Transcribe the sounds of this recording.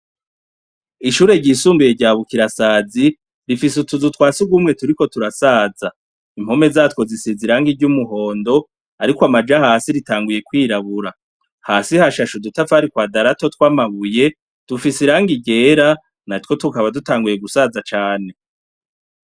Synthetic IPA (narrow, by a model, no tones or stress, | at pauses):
iʃuːɾe̞ɟiːsuːmbujeɟaːβukiɾasaːzi | ɾifisutuzutkwaːsuɡumŋe̞tuɾiko̞tuɾasaːza | im̥ho̞me̞zatwo̞zisiziɾaːŋɡiɾɟumuɦo̞ːndo̞ | aɾikwamad͡ʒahaːsiɾitaːŋɡuje̞kwiːɾaβuɾa | haːsihaʃaʃudutafaɾikwaːdaɾato̞twaːmaβuje̞ | d̥ufisiɾaːŋɡiɟe̞ːɾa | natwo̞tukaβadutaːŋɡuje̞ɡusaːzat͡ʃaːne̞